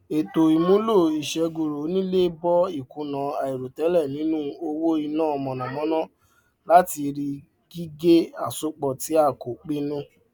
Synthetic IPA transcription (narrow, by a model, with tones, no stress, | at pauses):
e˨to˨i˨mũ˨˦lo˦˨i˨ʃɛ˨˧ɡo˨ɾo˨˦nĩ˦le˦bɔ˦i˦˨kũ˨˦nã˨˦a˨i˨ɾo˨tɛ˨˦lɛ˦˨nĩ˨˦nũ˦o˧wo˦i˧nãː˦ɔ˧mɔ̃˨nã˨mɔ̃˨˦nã˦ | la˦ti˧ɾi˧ | ɡ̥i˦ɡe˦a˦˨so˨˦k͡pɔ˨ti˨˦a˦˨ko˨k͡pi˦nĩ˦